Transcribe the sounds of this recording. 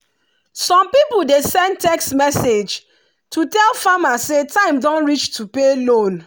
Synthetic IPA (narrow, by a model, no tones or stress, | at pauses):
sɔ̃mpipl̩desɛ̃ndtɛksmɛsed͡ʒ | tʰutɛlfamasetʰãɪ̃mdɔ̃nɹit͡ʃtʰupelõn